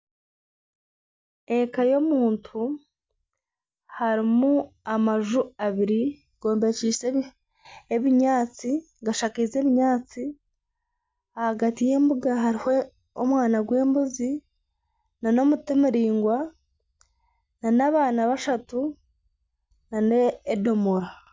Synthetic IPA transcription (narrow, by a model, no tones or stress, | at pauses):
e̞kajo̞muːntʰu | haɾimuamaʒuaβiɾi | ɡ̥o̞ːmbeciːse | eβiɲaːt͡si | ɡaʃakize̞βiɲaːt͡si | ahaɡatije̞ːmbuɡaɦaɾiho | omwaːnaɡwe̞ːmbuzi | nano̞mutimiɾiːŋɡwa | nanaβaːnaβaʃatu | naneːdomoɾa